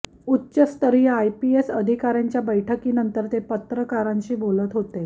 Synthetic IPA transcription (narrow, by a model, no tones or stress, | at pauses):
utːɕəst̪əɾiːajpiesəd̪ʱikaɾjaɲt͡ɕjabəjʈʰəkiːnənt̪əɾt̪epət̪ɾəkaɾãɲt͡ɕiːbolət̪ɦot̪e